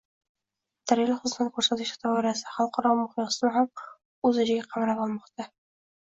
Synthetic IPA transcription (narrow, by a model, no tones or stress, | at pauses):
d̪̥aɾilɪχʊzt̪ankʰɵɾsat̪ʰɪʃt̪ʰɒbɒɾasɪ̥χɑlˠqʰɑɾɒmʊhɪmsnɪham | ɵzɪd͡ʒɪɡʲaqʰɑmɾabɒlˠmɒqt̪ʰa